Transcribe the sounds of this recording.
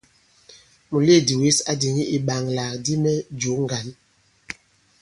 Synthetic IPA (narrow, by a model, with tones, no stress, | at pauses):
mu˨le˦˨di˨wi˦sa˨di˨ŋi˦i˨ɓa˨ŋla˨kdi˦mɛ˦d͡ʒo˨˦ŋ˦ɡa˨˦n